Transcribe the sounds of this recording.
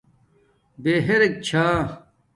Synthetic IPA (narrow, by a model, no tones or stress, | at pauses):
beːɦeɾek̚t͡ɕʰaː